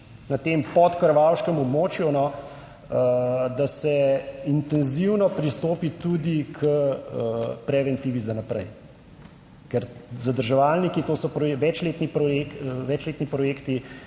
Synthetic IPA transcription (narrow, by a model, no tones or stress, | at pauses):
nat̪empɔt̪kəɾʋawʃkəmɔbmoːt͡ʃjunɔ | d̪asɛint̪ɛnziwnɔpɾist̪oːpit̪ud̪ikʰəəpɾɛʋɛnt̪iːʋizanapɾɛ̰j | kɛɾzad̪əɾʒɛʋalnikit̪oːsɔpɾɔʋɛt͡ʃleːt̪nipɾɔjekʋɛt͡ʃleːt̪nipɾɔjeːkt̪i